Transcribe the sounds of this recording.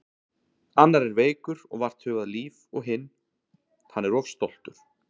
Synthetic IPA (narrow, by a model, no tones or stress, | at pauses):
anːaɾɛɾveːjkʏɾɔɣvar̥t̪hʏːɣaðliːvɔɣɦɪnː | hanːɛɾɔv̥st̪owl̥t̪ʏɾ̥